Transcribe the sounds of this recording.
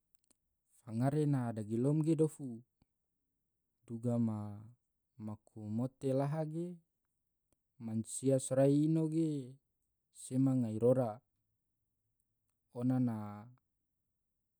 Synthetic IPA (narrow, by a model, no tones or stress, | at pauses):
faŋaɾenadaɡilɔmɡedofu | duɡama | makʰumot̪elaɦaɡe | mansiasɾaiːnoɡe | semaŋaiɾoɾa | onana